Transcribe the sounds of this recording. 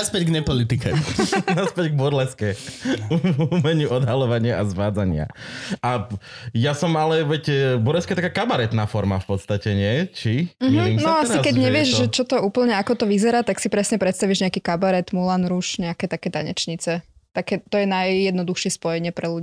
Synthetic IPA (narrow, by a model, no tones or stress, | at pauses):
aspɛɟɡɲɛpɔlit̪ikɛunaspɛɟɡ̚bɔɾlɛskɛuuumɛɲuʔɔd̪ɦalɔʋaɲɪaazʋaːd͡zaɲɪa̰ʔajasɔmalɛʋɛcbɔɾlɛskaɛjt̪akaːkabaɾɛt̪naːfɔɾma̰fpɔt̪st̪acɛɲɪɛt͡ʃiɦiimnɔasikɛɟɲɛʋɪɛʒʒɛt͡ʃɔt̪ɔuːpl̩ɲɛakɔt̪ɔʋizɛɾaːt̪aksipɾɛsɲɛpɾɛt̪st̪aʋiʒɲɛakikabaɾɛt̪mulanɾuʃɲɛakɛt̪akɛːt̪a̰ɲɛ̰t͡ʃɲit͡sɛ | t̪akɛt̪ɔjɛnajːɛd̪nɔd̪uxʃɪɛspɔjɛɲɪɛpɾɛluɟi